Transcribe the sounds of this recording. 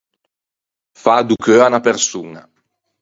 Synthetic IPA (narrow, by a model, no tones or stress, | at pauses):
fad̪ukʰøanapeɾsuːna̰